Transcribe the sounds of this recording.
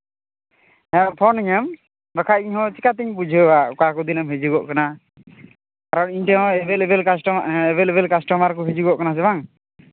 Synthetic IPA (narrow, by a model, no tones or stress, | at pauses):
ɛpʰɔniɲam | ɾɔkʰaʔiɲhɔ̃t͡ʃikat̪iɲbud͡ʒʱəwaukakud̪inamɦed͡ʒuɡɔʔkana | kaɾɔniɲtɛɦɔ̃ɛbɛlɛbɛlkasɛbɛlɛbɛlkasʈɔmaɾkɔɦed͡ʒuɡɔʔkanas̬ɛbaŋ